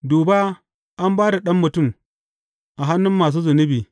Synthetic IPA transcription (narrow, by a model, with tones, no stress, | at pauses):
duː˨ba˦ | ʔa˦mbaː˦da˨ɗɐ˦mːʊ˨tʊ˦˨m | ʔa˨ɦa˦nːʊ˦mːaː˨s̬uː˦zʊ˨nʊ˦biː˨